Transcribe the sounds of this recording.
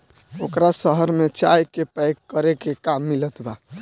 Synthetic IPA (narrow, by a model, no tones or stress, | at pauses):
okɾasəɦəɾmet͡ʃajkepɛɪkkːəɾekekamːilət̪ba